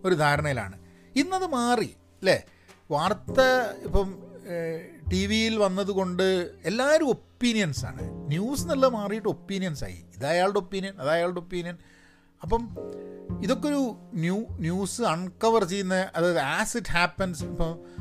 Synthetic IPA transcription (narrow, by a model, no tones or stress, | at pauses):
o̞ɾud̪ʱaːɾɐɳɐjila̰ːɳɨ | inːɐðɨmaːri | lḛ | ʋaːrt̪ɐipːɐm | ʈiʋijilʋɐnːɐðuko̞ɳɖɨe̞lːaːoɾumo̞pːinijɐnsa̰ːɳɨ̰njuːsɨnɐlːɐmaːrijɨʈːɨopːinijɐnsa̰ːjḭiðaːjaːɭɽɨo̞pːiːnijɐnɐðaːjaːɭɽɨo̞pːiːnijɐn | ɐpːɐm | iðo̞kːeo̞ɾunjuːnjuːsɨɐɳkɐʋɐrt͡ɕejːunːɐʔɐðaːjɐðɨæːsitːhaːpːɐnsipːɐm